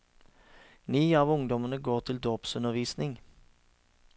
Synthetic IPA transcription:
nyːɑːʋʊŋd̪ɔmənəɡoːʁt̪ʰɪld̪oːpsʉnəʁʋiːsnɪŋ

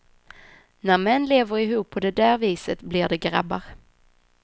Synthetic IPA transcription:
næɾmɛnːleːvəɾɪɦuːpʰːɔd̪ɛd̪æːɾviːsət̪blɪɖɛɡɾa̰bːaɾ

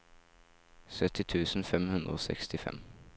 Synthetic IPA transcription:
sœt̪ɪt̪ʰʉːsn̩fɛmhʉnd̪ɾəoːsɛ̰kst̪ɪfɛ̰m

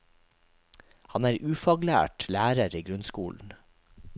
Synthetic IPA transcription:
hɑnæːɾʔʉːfɑːɡlæ̰ːʈlæːɾəɾiːɡɾʉnskuːln̩

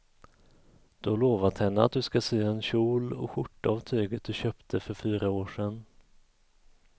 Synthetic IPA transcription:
d̪̥ɔloːvat̪hɛnːəa̰t̪̚d̪ɵskaseːaɛnɕuːlɔ̰ɧʊʈːaavt̪ʰøːɡət̪̚d̪ɵɕøːpt̪ʰəfœɾfyːɾaoːʂɛn

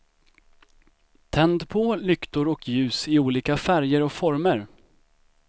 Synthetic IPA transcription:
t̪ʰɛnd̪pʰɔlʏkt̪ʊɾɔkʰjʉ̟ːsɪuːliːkafæɾjəɾɔkfɔɾməɾ

